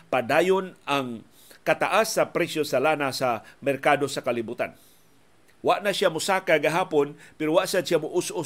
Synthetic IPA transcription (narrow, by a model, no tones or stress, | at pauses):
padaːjonaŋ | kat̪aʔasːapɾɛsjosalanasamɛɾkadosakalibut̪a̰n | waʔnasjamʊsakaɡaɦaːponpɛɾowaʔsad̪ʃjamʊʔʊsʔʊ